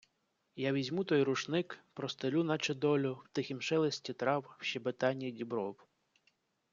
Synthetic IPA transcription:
jaʋʲizʲmut̪ɔjɾʊʃnɪkpɾɔst̪elʲunɐt͡ʃed̪ɔlʲʊwt̪ɪxʲimʃɛlˠesʲtʲit̪ɾɑwwʃɛbɪt̪ɑnʲːidʲibɾɔw

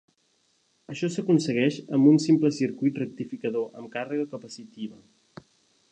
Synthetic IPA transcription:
əʃɔsəkunsəɣɛʃəmbunsimpləsiɾkujt̪rək̚t̪ifikəðoʔə̰mkarəɣəkəpəsit̪iβə

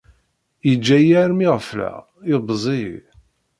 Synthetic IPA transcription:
jəd͡ʒːæjæɾmiʁflæ̰ | ɪbzˤḭ

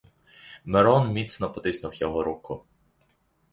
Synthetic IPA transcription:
meɾɔnmʲit̪snɔpɔt̪ɪsnʊwjɔɦɔɾukʊ

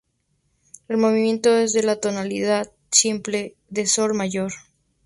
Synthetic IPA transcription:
e̞lmo̞βimjẽ̞nt̪o̞e̞zðe̞lat̪o̞naliðað | simple̞ | ðe̞so̞lmaʝo̞ɾ

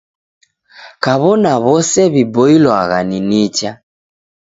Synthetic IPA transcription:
kaβɔnaβɔsɛβibɔilwaɣa̰ninit͡ʃa

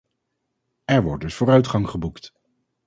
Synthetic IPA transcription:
ɛɹʋɔ̰ɹt̚dɵsv̥ʊːɾœɥtχɑŋχəbukt

